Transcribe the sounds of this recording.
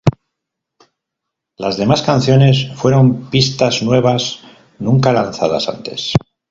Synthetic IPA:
lazðe̞maskanθjo̞ne̞sfwe̞ɾo̞mpist̪aznwe̞β̞as | nũŋkalan̟θaða̰sa̰nt̪e̞̰s

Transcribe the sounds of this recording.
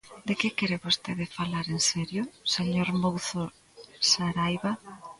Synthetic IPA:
d̪ekɪkeɾeβost̪eðɪfalaɾensɛɾjʊseɲoɾmowθo | saɾajβa

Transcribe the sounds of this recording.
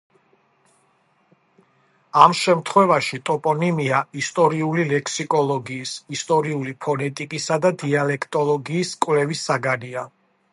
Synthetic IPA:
amʃɛmt̪ʰχwɛvaʃit̪ʼɔpʼɔnimiaist̪ʼɔɾiulilɛkʰsikʼɔlˠɔɡiːsist̪ʼɔɾiulipʰɔnɛt̪ʼikʼisad̪ad̪ialɛkʰt̪ʼɔlˠɔɡiːskʼwvlɛvisaɡania

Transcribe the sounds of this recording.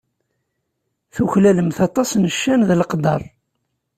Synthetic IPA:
θuçlæləmθɑt̪ˤɑsnəʃːænðəlqd̪ˤɑ̰lˤ

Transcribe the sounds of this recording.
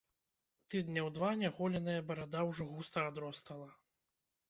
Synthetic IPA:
t̪ɨd̪nʲɐwd̪vanʲaɣɔlʲɛnɐjɐbɐɾad̪awʐɔɣust̪ɐad̪ɾɔst̪ɐlˠɐ

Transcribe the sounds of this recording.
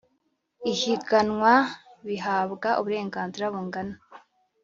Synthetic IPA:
içiɡanŋwaβiɦaːβɡaʔuβuɾe̞ːŋɡaːnziɾaβuŋɡana

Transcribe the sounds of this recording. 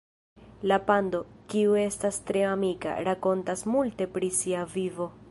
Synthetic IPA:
lapando̞kiue̞stastɾe̞amika̰ɾako̞ntasmulte̞pɾisiavivo̞

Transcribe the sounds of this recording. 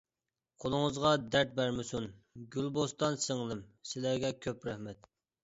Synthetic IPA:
qʰolˠʊŋəzʁɑd̪æɾt̪̚bæɾmɪsunɡʲylbost̪ɑnsɪŋlˠɪmsɪlæɾɡʲɛkʲʰøpɾɛhmɛt̪

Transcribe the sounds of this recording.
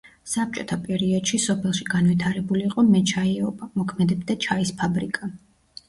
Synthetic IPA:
sap̚t͡ʃʼɔt̪ʰapʼɛɾiɔd̪̥ʃisɔpʰɛlˠʃiɡanvwit̪ʰaɾɛbuliːqʼɔmɛt͡ʃʰaiɔbamɔkʰmɛd̪ɛbd̪at͡ʃʰaispʰabɾikʼa

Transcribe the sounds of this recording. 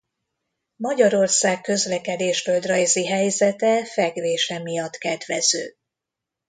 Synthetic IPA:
mɒɟɒɾo̞rsaːkːø̞zlɛkɛd̪eːʃfø̞ld̪rɒjziɦɛjzɛt̪ɛfɛɡveːʃɛmijɒt̪kɛd̪ʋɛzø̰ː

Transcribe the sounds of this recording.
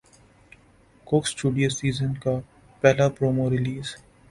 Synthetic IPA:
koːksʈuːɖijoːsiːzənka | pɛːlapɾoːmoɾɪliːz

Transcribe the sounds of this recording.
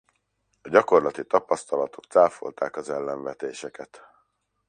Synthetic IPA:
ɒɟɒko̞rlɒt̪it̪ɒpɒst̪ɒlɒt̪o̞k̚t̪saːfo̞̰lt̪aːkɒzɛlːɛɱvɛt̪eːʃɛkɛt̪

